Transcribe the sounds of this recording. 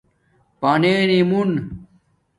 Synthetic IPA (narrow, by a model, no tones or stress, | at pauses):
paneːnimun